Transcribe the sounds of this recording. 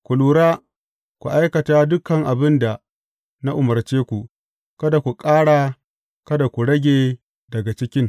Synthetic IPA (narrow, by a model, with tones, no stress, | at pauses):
kʷu˨luː˨ɽaː˦ | kʷu˨ʔa˦jkɐ˨taː˦dʊ˦kɐ˨ŋʔa˨bɪ˦nda˨ | na˦ʔʊ˨mɐ˨rt͡ʃeː˦kʷu˨ | kɐ˦da˨kʷu˨kʼaː˦ɽa˨ | kɐ˦da˨kʷu˨ɽɐ˦ɡʲeː˨ | dɐ˨ɡa˨t͡ʃɪ˦kʲɪ˦ŋ